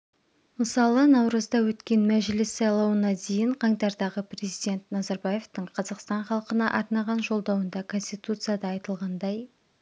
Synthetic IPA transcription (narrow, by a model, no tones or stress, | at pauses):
məsɑlˠənɑwɾəzd̪ɑwɵt̪kʲe̞nmæʒlɪsːɑjlˠɑwənɑd̪e̞jɪɴqʰɑŋt̪ɑɾd̪ɑʁəpre̞zijd̪ʲe̞nt̪nɑzɑɾbɑje̞ft̪əɴqʰɑzɑqst̪ɑɴχɑlˠqənɑʔɑɾnɑʁɑnʒo̞lˠd̪ɑwənd̪ɑkʰo̞nsʲt̪ijt̪ut̪sɨjad̪ɑːjt̪əlˠʁɑnd̪ɑj